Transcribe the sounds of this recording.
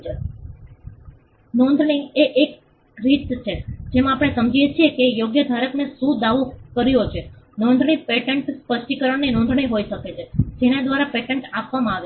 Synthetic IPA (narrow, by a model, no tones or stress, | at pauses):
nɔ̃nd̪ʱɳĩɡeʔek | ɾit̪t͡ʃʰed͡ʒemãapɽ̃esəmd͡ʒijet͡ʃʰiekejoɡjəd̪ʱaɾəknesũd̪aʋokəɾjot͡ʃʰenɔ̃nd̪ʱɳipeʈeɳʈspəʃʈikəɾəɳninɔ̃nd̪ʱɳijɦoiʃəket͡ʃʰed͡ʒenad̪ʋaɾapeʈeɳʈapʋamãaʋe